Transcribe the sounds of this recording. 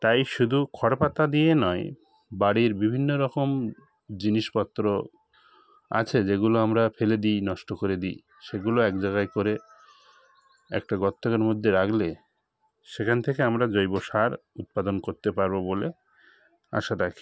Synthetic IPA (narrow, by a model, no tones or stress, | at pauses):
t̪ajʃud̪ʱukʰɔɽpat̪ad̪ijenɔe | baɽiɾbibʱinːoɾɔkom | d͡ʑiniʃpɔt̪ːɾo | a̰t͡ɕʰed͡ʑeɡuloamɾafeled̪ijnɔʃʈokoɾed̪ḭj | ʃeɡuloɛkd͡ʑaɡajkoɾe | ɛ̰k̚ʈaɡɔt̪ːokaɾmod̪ʱːeɾaɡle | ʃekʰanet̪ʰekeamɾad͡ʑojboʃaɾut̪̚pad̪onkoɾt̪epaɾbobole | a̰ʃaɾakʰi̥